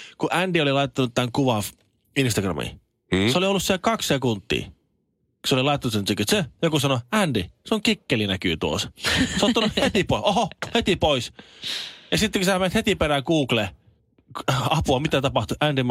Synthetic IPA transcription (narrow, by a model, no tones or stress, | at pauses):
kuʔændiolilɑitt̪ːɑnut̪t̪ːæŋkuʋɑf | inst̪ɑɡrɑ̰mḭ | sseoliolːussielkɑkssekunt̪ːḭː | ku̥seolilɑˑit̪ːˑɑnut̪senikːøt̪sejokusɑnoændiseoŋkikːelinæky̰ːt̪uo̰sseot̪ːɑnuhet̪ipoʔohohet̪ipois | jɑsit̪ːekusæmenet̪het̪iperækuːkle | ɑpuɑmit̪æt̪ɑpɑht̪uiʔændim